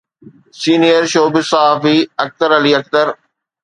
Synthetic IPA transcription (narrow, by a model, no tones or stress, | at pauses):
siːnijəɾʃoːbɪsaɦaːfiɐk̚t̪əɾɐliːɐk̚t̪əɾ